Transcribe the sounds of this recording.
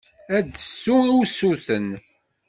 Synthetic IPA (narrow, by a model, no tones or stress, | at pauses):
æd̪əsːuʊsuθən